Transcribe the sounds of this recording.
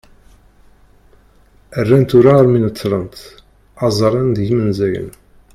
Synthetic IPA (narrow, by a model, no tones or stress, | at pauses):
ərːænt̪ʊɾaɾminət͡s̪ːlˤənt̪ | ɑzˤɾˤɑnd̪ʝimənzæjə̰n